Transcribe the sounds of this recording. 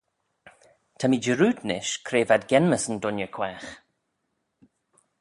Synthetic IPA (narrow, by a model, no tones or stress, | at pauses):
t̪ʰamid͡ʒəɾuːd̪nɪ̰ʃkʰɾeːvad̪ɡɛnməsəndʊnjəkʰwɛːx